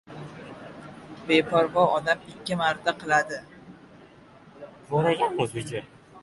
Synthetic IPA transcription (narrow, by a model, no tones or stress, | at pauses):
be̞pʰɒɾbɒɒd̪amɪkʲːɪmaɾt̪ʰaqʰɨlˠad̪ɪ | bolaɡʲanmʊzɪt͡ʃʰa